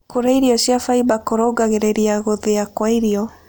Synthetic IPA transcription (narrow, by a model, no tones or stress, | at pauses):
koɾaiɾiɔɕjafaibakoɾoɡaɣeɾeɾiaɣoðeakwaiɾiɔ